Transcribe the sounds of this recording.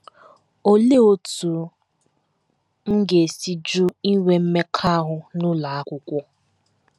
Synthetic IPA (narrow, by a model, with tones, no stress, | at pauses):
o˦le˦o˨tu˨ | ŋ̩˦ɡe˨si˦d͡ʒʊ˦i˦we˨m̩˦me˦kʰa˦ɦʊ˨nʊ˦la˨a˦kʷʊ˨kʷɔ˦